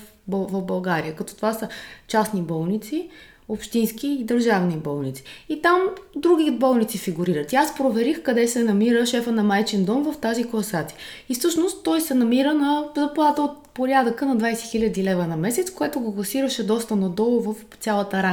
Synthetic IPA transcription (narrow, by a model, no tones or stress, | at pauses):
bvəvbɐlˠɡaɾiəkɐt̪ɔ̥t̪ovasət͡ʃasnibɔlˠnit̪si | opʃt̪inskiːd̪əɾʒavnibɔlˠnit̪si̥it̪amd̪ɾuɡ̟ibɔlˠnit̪sifiɡuɾiɾət̪iaspɾovɛɾixkɐd̪ɛsɛnɐmiɾəʃɛfənɐmajt͡ʃɛnd̪ɔmvɐft̪aziklˠɐsat̪siifsɤʃnost̪ːɔjsɛnɐmiɾənɐzɐplˠat̪əot̪̚poɾjad̪əkənɐd̪vajsɛxilʲəd̪ilɛvənɐmɛsɛt̪skoɛt̪ʊɡoklˠɐsiɾəʃɛd̪ɔst̪ənɐd̪ɔlˠʊvɐf | t̪sʲjalˠət̪əɾa